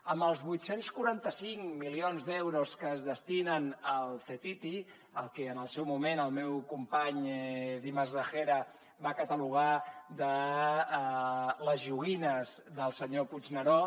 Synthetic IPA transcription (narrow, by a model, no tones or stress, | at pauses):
əmbəlˠzβujt̪senskuɾant̪əsiŋmilionzd̪ɛwɾuskəːzðəst̪inənəlˠθet̪it̪i | əlˠkɛənəlˠsɛwmumenəlˠmɛwkumpaɲðiməzrəxeɾə | βakət̪əluɣ̞ad̪ə | ləzʒuɣinəzðəlˠsəɲopud͡ʒnəɾɔ